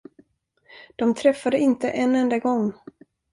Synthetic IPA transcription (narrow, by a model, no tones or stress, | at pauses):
d̪̥ɔmt̪ʰɾɛfːad̪əɪnt̪əʔɛnɛnd̪aɡɔŋː